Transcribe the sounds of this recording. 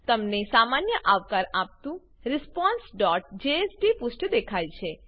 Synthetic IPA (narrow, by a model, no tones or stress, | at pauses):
t̪əmnesamanjəʔaʋkaɾap̚t̪ũ | ɾɪspɔ̃nsɖɔʈ̚d͡ʒeesɖipʊsʈd̪ekʰajt͡ʃʰe